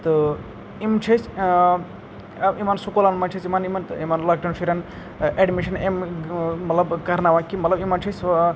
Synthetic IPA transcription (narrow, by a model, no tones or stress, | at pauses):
t̪ɨ | imt͡ʃʰɐs | ɐimansukolanmɐnt͡ʃʰisimanimɐnt̪imanlaːk̚ʈɐnsʰuɾʲan | eɖmiʃɐnemmɐt̪lɐbkɐɾnaʋankimɐt̪lɐbimant͡ʃʰis